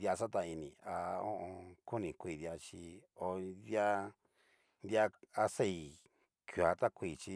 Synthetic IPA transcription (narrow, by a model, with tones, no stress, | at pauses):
a˧sa˦t̪̬a˧i˧nĩ˨a˧õ̰˦ʔõ˧ku˦nĩ˨kʷi˧˨ða˧t͡ʃi˧o˧d̪ja˧ | nd̪ja˧a˧se˦˨i˧˨ | kju˨a˧t̪a˦kʷi˧˨t͡ʃi˧